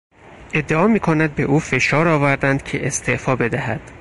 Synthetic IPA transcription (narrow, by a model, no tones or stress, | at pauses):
ʔe̞d̪ːeɒːmiːkʰonæd̪̚be̞ʔuːfe̞ʃɒːɾɒːvæɾd̪ænd̪̥̚cʰe̞ʔest̪ʰe̞ʔfɒːbe̞d̪æhæd̪̥